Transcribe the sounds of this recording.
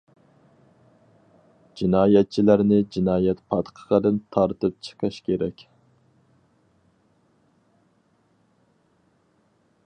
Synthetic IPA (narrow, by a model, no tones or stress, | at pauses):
d͡ʒinɑːjɛt̪̚t͡ʃʰilæɾnɪd͡ʒinɑːjɛt̪pʰɑt̪qʰə̥ʁəd̪ɨnt̪ʰɑɾt̪ɨp̚t͡ʃʰə̥qʰəʃkʲeɾɛkʲ